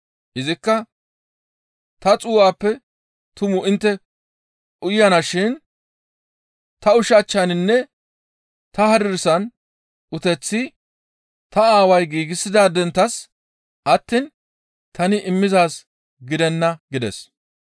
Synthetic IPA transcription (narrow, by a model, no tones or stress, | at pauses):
ʔɪzɪkːɐ | t̪ɐt͡sʼuːwaːpːɛ | t̪ʊmʊʔɪnt̪ːɛ | ʔʊjɐnɐʃɪn | t̪ɐʊʃɐt͡ʃːɐnɪnːɛ | t̪ɐhɐɾɪɾsɐn | ʊt̪ɛt͡sːɪ | t̪ɐaːwɐjɡiːɡɪsːɪd̪aːd̪ɛnt̪ːɐs | ʔɐt̪ːiːn | t̪ʰɐnɪʔɪmːɪzaːs | ɡɪd̪ɛnːɐɡɪd̪ɛ̰s